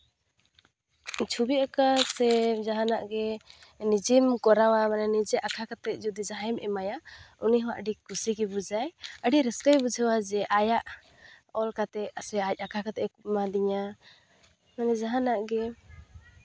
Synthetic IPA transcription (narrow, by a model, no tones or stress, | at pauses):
t͡ʃʰubiakasɛd͡ʒaɦanaʔɡɛnid͡ʒimkɔɾawamanɛnid͡ʒɛʔakʰakat̪ɛˀd͡ʒud̪id͡ʒaɦɛmʔɛ̰majauniɦɔ̃waʔəɖikusikɛbud͡ʒajəɖiɾɛskabud͡ʒʱɛwad͡ʒɛʔajaʔ | ɔlkat̪ɛasɛac̚ˀakʰakat̪ɛmad̪iɲa | manɛd͡ʒaɦanaʔɡɛ